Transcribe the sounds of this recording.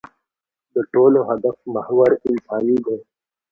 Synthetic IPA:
d̪əʈoːloɦɐd̪ɐfmɐhwɐɾɪnsaːniɡʱõː

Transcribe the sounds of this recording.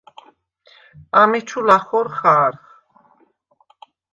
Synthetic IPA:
amɛt͡ʃʰulaχɔɾχaɾχ

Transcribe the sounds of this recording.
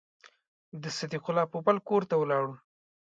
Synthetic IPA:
d̪əsad̪iqʊlːɑpobalkoɾt̪awəlɑɽu

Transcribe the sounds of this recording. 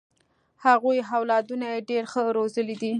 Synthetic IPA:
haɣujɦawlɑd̪unajeɖeɾxəɾozəlid̪i

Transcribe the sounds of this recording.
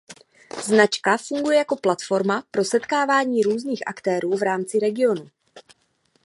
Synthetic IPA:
znat͡ʃkafuŋɡujɛjako̞plat̪fo̞ɾmapɾo̞sɛt̪kaːvaːɲiːɾuːzniːxʔa̰kt̪ɛːɾuːvɾaːmt͡sɪɾɛɡɪo̞nu

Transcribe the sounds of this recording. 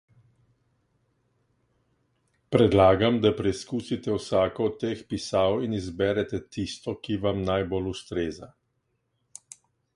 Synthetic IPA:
pɾɛd̪laːɡamd̪apɾɛjskuːsit̪ɛwsaːkɔːt̪ːeːxpisaːwinizbɛɾɛt̪ɛt̪ist̪ɔkiʋamnajbolust̪ɾeːza̰

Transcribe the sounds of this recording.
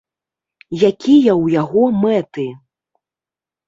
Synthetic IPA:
jakʲijɐwjaɣɔmɛt̪ɨ

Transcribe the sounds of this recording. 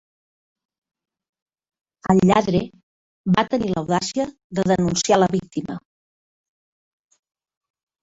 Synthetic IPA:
əʎːaðɾe | bat̪əniləwðasiə | ðəðənunsialəβik̚t̪imə

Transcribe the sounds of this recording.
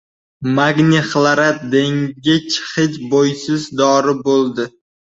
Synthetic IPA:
maɡnʲɪχlˠaɾat̪̚d̪eŋɡʲɪt͡ʃʰχɪt͡ʃbojsɪzd̪ɒɾɪbolˠd̪ɪ

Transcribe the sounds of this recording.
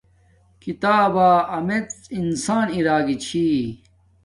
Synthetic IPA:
kit̪aːbaːɐmet͡sinsaːniɾaːɡit͡ɕʰi

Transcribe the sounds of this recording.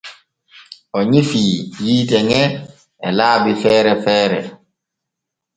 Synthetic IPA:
ʔɔɲifiːjiːtɛŋɛ | ɛlaːbifɛːɾɛfɛːɾɛ̰

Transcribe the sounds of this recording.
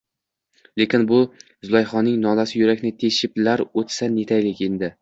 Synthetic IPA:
le̞kʲɪnbʊ | zʊlˠɒjχɒnːɪŋnɒlasɪjʊɾakʲnɪt̪ʰe̞ʃɪplaɾot̪sane̞t̪ʰajlɪkʲe̞nd̪ɪ

